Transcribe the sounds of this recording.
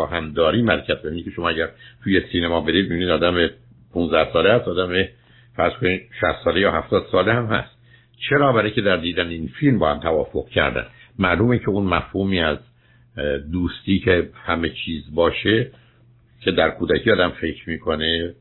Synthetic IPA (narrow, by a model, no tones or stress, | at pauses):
ɒːhæmd̪ɒːɾiːmæɾecʰæt̪̚bevinikʰeʃo̞mɒːæɟæɾt̪ʰuːje̞siːnemɒːbe̞ɾiːd̪meiniːd̪ɒːd̪æme | pʰũnzd̪æhsɒːleæst̪ɒːd̪æme | fæɾzkoniʃæ̰st̪sɒːlejɒːhæft̪ɒːd̪̥sɒːlehæmhæ̰st̪ | t͡ʃʰeɾɒːbæɾecʲʰe̞d̪æɾd̪iːd̪æneinfilmbɒːhæmt̪ʰævɒːfo̞ɣ̥cʰæ̰ɾd̪æ̰nmæɾluːmincʰeunmæfhuːmiːæz | d̪uːst̪iːcʰe̞hæme̞t͡ʃʰiːzbɒːʃe | cʰe̞d̪æɾkʰuːd̪æcʰiːɒːd̪æmfe̞kʰɾmiːkʰone